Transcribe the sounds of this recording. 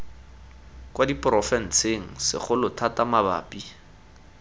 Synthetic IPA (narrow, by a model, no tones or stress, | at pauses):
kwadipʼrɔfɛn̩t͡sʰeŋ̩sɪ̰χʊlʊtʰatamaba̰ːpʼi